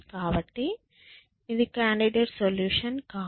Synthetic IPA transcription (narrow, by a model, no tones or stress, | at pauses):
kaːʋɐʈ̪ːi | iðukaːɳɖiɖeɾsoljuːʂɐnkaː